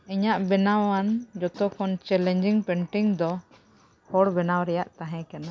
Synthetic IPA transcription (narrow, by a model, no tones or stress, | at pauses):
ɛɲaʔbɛnawand͡ʒɔt̪ɔkɔnt͡ʃɛlɛɲd͡ʒiŋpɛɳʈiŋd̪ɔ | hɔɽbɛnawɾɛjaʔt̪aɦɛ̃kana